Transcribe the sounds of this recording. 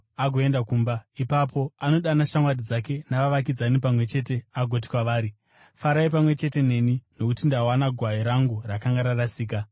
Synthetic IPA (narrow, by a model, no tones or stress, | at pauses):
aɡʱo̞e̞ndakuːmbaipapo̞ano̞ɗanaʃamwadid͡zake̞naʋaʋakid͡zanip̬amwe̞t͡ʃe̞te̞aɡʱot̬i̥kwaʋaːɾi | faɾaip̬amwe̞t͡ʃe̞te̞ne̞ːnino̞kutindawanaɡʱwaiɾaŋɡurakaŋɡaɾarasiːk̬a